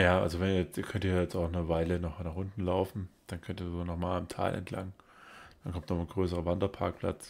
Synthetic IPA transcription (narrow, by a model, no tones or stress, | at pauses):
jaːʔa̰lzovɛnjɛt͡stiːɐkʰœntiːɐjɛt͡staʊχnəvaɪlənɔχnaχʔʊntn̩laʊfn̩d̥ankʰœntiːɐzonɔχmaːlamtʰa̰ːlʔɛ̰ntʰla̰ŋ | d̥ankʰɔmtnɔχnɡʁøːsəʁəvandɐpʰaɐk̚pʰl̥a̰t͡s